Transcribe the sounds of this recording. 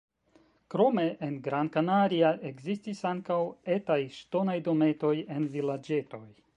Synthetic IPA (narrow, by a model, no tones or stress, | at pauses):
kɾo̞me̞ʔenɡɾankanaɾiaʔeɡzistisaŋkawe̞tajʃto̞najdo̞me̞to̞je̞nvilad͡ʒe̞to̞j